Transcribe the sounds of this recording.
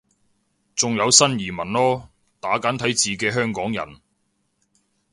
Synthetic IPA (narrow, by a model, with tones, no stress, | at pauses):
t͡sʊ˨ŋjɐ˨˧wsɐ˥njiː˨˩mɐ˨˩nlɔː˥ | t̪aː˨˥kaː˨˥nt̪ʰɐ˨˥jt͡siː˨kɛː˧ɦœː˥ŋkɔː˨˥ŋjɐ̰˨˩n